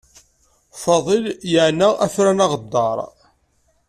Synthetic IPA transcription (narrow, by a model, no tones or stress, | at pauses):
fɑðˤiljəʕnaæ̰fɾænɑʁəd̪ːɑɾˤ